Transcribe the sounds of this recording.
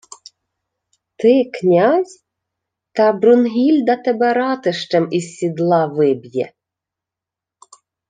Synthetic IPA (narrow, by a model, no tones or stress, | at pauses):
t̪ɪknʲɑzʲ | t̪ɑbɾʊnɦʲilʲd̪ɐt̪ɛbɛɾɑt̪ɪʃt͡ʃɛmisːʲid̪lˠɑʋɪbʲjɛ̰